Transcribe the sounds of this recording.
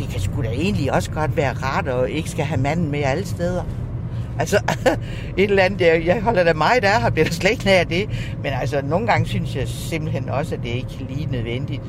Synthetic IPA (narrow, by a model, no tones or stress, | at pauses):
d̥e̝kʰæsɡ̥ud̥æe̝ːn̩liɒ̽sə̥ɡ̥ɒ̽d̥ʋæːɐʁɑ̈d̥ɒ̽e̝ɡ̥əsɡ̥æɦæmæn̰n̩meæləsd̥eð̞ˠɐ | ʔælsɒ | e̝d̥əlænð̩̥æjɑ̈ɪɦɒ̽l̰ɐɾ̥æmɑ̈ɪd̥æɐhɑb̥liɐɾ̥ɑsle̥ɡ̥̚næɐd̥e̝menæls̬ɒno̝ːn̩ɡ̥ɑ̈ŋəsynsjɑ̈ɪse̝m̰b̥l̩ɦen̰ɒ̽səæd̥e̝ɐe̝ɡ̥liːnøð̞ˠʋen̰d̥id̥